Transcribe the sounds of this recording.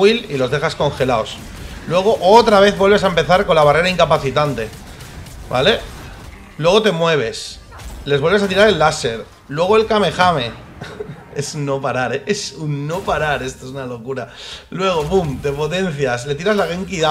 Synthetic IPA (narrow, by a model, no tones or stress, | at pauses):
ililo̞zðe̞xasko̞nxe̞laos | lwe̞ɣ̞o̞ʔot̪ɾaβ̞e̞θβwe̞lβe̞saempe̞θaɾkonlaβ̞are̞ɾaiŋkapaθit̪ant̪e̞ | ba̰le̞ | lwe̞ɣ̞o̞t̪e̞mwe̞β̞e̞s | le̞zβe̞lβesat̪iɾaɾe̞lːase̞ɾ | lwe̞ɣ̞oe̞lkame̞xame̞ | esunːo̞paɾaɾeesunːo̞paɾaɾe̞st̪oes̬unalo̞kuɾalwe̞ɣ̞o̞pumt̪e̞po̞t̪e̞n̟θjasle̞t̪iɾazlaɣeŋkiða